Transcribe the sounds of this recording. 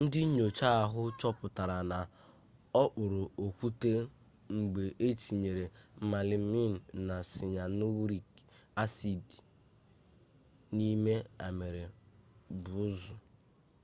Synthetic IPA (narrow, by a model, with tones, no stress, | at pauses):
n̩˦dɪ˦ɲo˨t͡ʃa˦a˨ɦʊ˦t͡ʃɔ˦pʊ˨ta˨ɾa˨na˨ | ɔ˦k͡pʊ˨ɾʊ˨o˨kʷu˦te˦ | ŋ͡m̩˨ɡ͡be˨ʔe˦ti˨ɲe˨ɾe˨m̩˨ma˨lɪ˨m̩˦mi˦n̩˨na˨sɪ˨ɲa˨nu˦wɾi˨ka˦si˨d | ni˦me˦a˨me˨ɾe˨bʊ˨˦zʊ˨